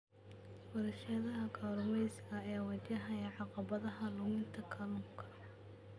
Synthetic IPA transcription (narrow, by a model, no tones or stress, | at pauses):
wɐɾɛʃɐðɐɦɐɡʰaːɾʊmɛjsɪɣɐːjaːwɐt͡ʃɐɦɐɛʕɑqɑβɐðɐɦɐlʊmɪnt̪ʰɐkʰɐːluːŋkʰɐ̥